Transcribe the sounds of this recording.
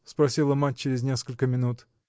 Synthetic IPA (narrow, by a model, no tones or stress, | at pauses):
spɾɐsʲilˠəmat̚ʲt͡ɕːɪɾʲɪznʲe̞skəlʲkəmʲɪnut̪